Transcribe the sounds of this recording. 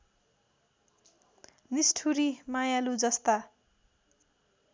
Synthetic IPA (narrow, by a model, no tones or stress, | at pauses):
nisʈʰuɾimajalud͡zʌst̪a